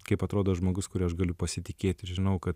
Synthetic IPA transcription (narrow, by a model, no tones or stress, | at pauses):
kɐɪpɐt̪ɾoːd̪oːɐʒmoːɡʊskʊɾʲɪːɐʃɡɐlʲʊpɐsʲɪt̪ʲɪkʲeːt̪ʲɪɾʒʲɪnɐʊkɐt̪